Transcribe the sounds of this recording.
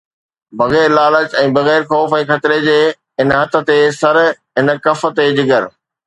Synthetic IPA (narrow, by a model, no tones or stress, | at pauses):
bɐɣɛːɾlaːləd͡ʑɛ̃ːbɐɣɛːɾxɔːfɛ̃ːxɐt̪ɪɾed͡ʑeː | ɪnɦɐt̪ʰə̆t̪esɐɾɦɪn̆kɐfə̆t̪ed͡ʑɪɡəɾ